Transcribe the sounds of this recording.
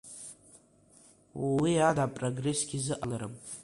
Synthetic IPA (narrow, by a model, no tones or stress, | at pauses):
wwiadapʼroɡre̞sɡʲizɨʔalaɾɨm